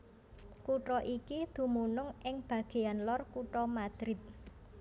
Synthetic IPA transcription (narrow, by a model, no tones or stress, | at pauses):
kuʈɔʔikid̪̥ṳmunʊŋʔɪŋb̥a̤ɡ̥e̤anlɔrkuʈɔmad̪̥ɾɪt̪̚